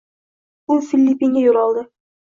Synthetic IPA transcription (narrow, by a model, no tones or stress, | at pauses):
ʊfilʲːipiŋɡʲajolˠɒlˠd̪ɪ